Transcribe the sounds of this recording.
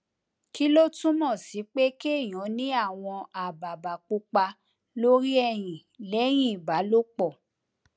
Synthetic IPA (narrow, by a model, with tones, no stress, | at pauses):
ki˦lo˦tũ˦mɔ̃˦˨si˨˦k͡pe˦ke˦˨j̃ɔ̃˨˦nĩ˦a˦˨w̃ɔ̃˧a˨ba˨ba˨k͡pu˧k͡pa˧ | lo˦ɾi˦ɛ˦˨j̃ĩ˨ | lɛ˨˦j̃ĩ˦˨ba˨˦lo˦k͡pɔ˦˨